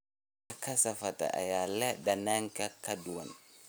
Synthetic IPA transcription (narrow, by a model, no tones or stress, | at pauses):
akasafata̰ʔa̰jalɛdanaŋkakaduwan